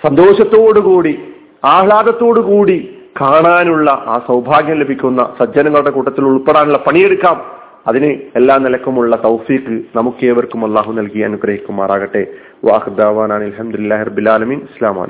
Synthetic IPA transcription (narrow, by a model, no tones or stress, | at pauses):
sɐnd̪o̞ːɕɐt̪ːo̞ːɽukuːɽi | aːɭaːd̪ɐt̪ːo̞ːɽukuːɽi | kaːɳaːnuɭːɐʔaːsɐwbʱaːɡjɐmle̞bʱikʲːunːɐ̰sɐd͡ʑɐnɐŋːɐɭuɽe̞kuːʈːɐt̪ːiluɭpeɽaːnuɭːɐpɐɳije̞ɽukːaːm | ɐðinɨelːaːmnilɐkːɐmuɭːɐt̪ɐwfiːkːɨnɐmukːe̞ːʋɐrkːumɐlˠːaːɦunɐlkijɐɐnuɡɾɐhikʲːumːaːraːɣɐʈːe̞ | ʋʔɐ̰ɐkd̪aːʋaːnaːɳilħɐmd̪ulilːaːɦirɐbːilaːlɐmiːnislaːma̰ːɳḛ